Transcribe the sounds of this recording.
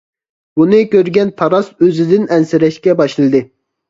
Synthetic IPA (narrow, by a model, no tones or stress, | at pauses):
bunɨkʲøɾɡʲɛnt̪ʰɑɾɑsøzɪd̪ɪnɛnsɪɾɛʃkʲɛbɑʃlˠɨd̪ɨ